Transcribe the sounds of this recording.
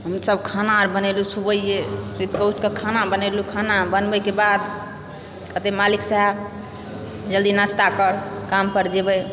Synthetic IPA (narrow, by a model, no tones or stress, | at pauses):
ɦəmsəbkʰanaɾbənelusubəijeɾit̪kətkekʰanabənelukʰanabənbəkebad̪ | kət̪emaliksaɦb | d͡ʒəld̪inəst̪akəɾkampəɾd͡ʒebəj